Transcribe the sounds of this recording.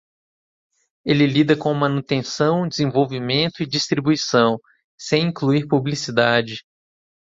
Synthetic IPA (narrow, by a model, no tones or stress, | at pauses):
elɪlid̪ɐkõmɐ̃nut̪ẽsɐ̃w̃d͡ʒɪzẽvowvimẽnt̪ʊid͡ʒist̪ɾibuisɐ̃w̃ | sẽj̃ĩŋkluiɾpublisid̪ad͡ʒɪ